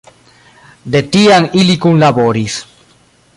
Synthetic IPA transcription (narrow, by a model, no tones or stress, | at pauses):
d̪et̪iaŋilikunlaβoɾis